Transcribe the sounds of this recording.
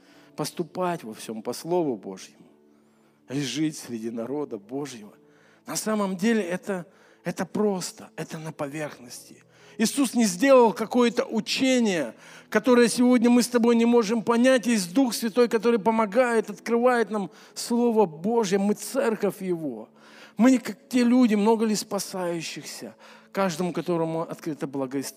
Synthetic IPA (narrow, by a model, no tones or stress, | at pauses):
pəst̪ʊpatʲvɐfsʲompɐslˠo̞vʊbo̞̰ʐjɪmʊ | iʐɨtʲsʲɾʲɪdʲinɐɾo̞d̪əbo̞ʐjɪvə̰ | nɐsaməmdʲelʲɪɛt̪ə | ɛt̪əpɾo̞st̪əɛt̪ənɐpɐvʲe̞rxnəsʲtʲɪ̥ | ɪsusnʲɪzʲdʲe̞lˠəlˠkɐko̞jət̪əʔʊt͡ɕenʲɪjəkɐt̪o̞ɾəjəsʲɪvo̞dʲnʲəmɨst̪ɐbo̞jnʲɪmo̞ʐɨmpɐnʲætʲjez̬ʲd̪uxsvʲɪt̪o̞jkɐt̪o̞ɾɨjpəmɐɡajɪt̪ɐt̪kɾɨvajɪt̪nam | slˠo̞vəbo̞ʐɨjəmɨt̪sɛrkəfʲjɪvo̞̰ | mɨkak̚tʲe̞lʲudʲɪmno̞ɡəlʲɪspɐsajʉɕːɪxsʲə̰kaʐd̪əmʊkɐt̪o̞ɾəmʊɐ̰t̪kɾɨt̪əblˠɐɡəɪs